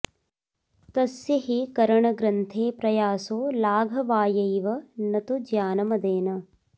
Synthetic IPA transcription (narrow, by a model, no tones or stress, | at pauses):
t̪ɐsjɐɦikɐɾɐɳɐɡɾɐnt̪ʰeːpɾɐjaːsoːlaːɡʱɐʋaːjɐjʋɐnɐt̪ud͡ʒjaːnɐmɐd̪eːnɐ